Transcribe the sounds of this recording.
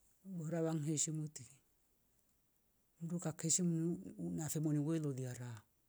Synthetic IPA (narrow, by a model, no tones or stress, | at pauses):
bɔɾaβaŋɦeʃimuti | muɾukakʰeʃimunnafɛmoniweloðiaɾa